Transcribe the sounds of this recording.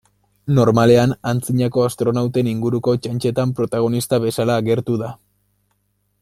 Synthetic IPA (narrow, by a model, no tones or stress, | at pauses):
no̞ɾmale̞anant͡siɲako̞ast̪ɾo̞nawt̪e̞niŋɡuɾuko̞t͡ʃant͡ʃe̞t̪ampɾo̞t̪aɣ̞o̞nist̪aβe̞salaːɣe̞ɾt̪uða